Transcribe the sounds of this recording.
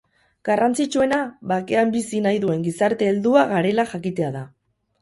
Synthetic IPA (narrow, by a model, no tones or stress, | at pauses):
ɡ̥arant͡sit͡ʃue̞naβake̞ambisinajðue̞ŋɡisaɾt̪e̞ːld̪uaɣaɾe̞laxakit̪e̞aða